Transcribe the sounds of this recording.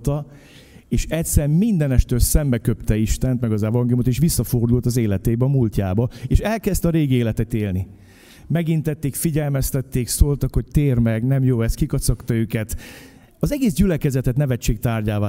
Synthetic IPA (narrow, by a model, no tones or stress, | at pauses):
t̪ɒ | eːʃɛtʲsɛrmind̪ɛnɛʃt̪øːlsɛmbɛkøpt̪ɛiʃt̪ɛnt̪mɛɡɒzɛvɒŋɡelumot̪eːʃʋisːɒfo̞rd̪ult̪ɒzeːlɛt̪eːbɛɒmulcaːbɒeːʃɛlkɛst̪ɒɾeːɡieːlɛt̪ɛt̪eːlni | mɛɡint̪ɛt̪ːeːkfiɟɛlmɛst̪ɛt̪ːeːksoːlt̪ɒkho̞ct̪eːrmɛɡnɛmjoːɛst̪kikɒt̪sɒkt̪ɒøːkɛt̪ | ɒzɛɡeːzɟylɛkɛzɛt̪ɛt̪nɛvɛt͡ʃːeːk̚t̪aːrɟaːvaː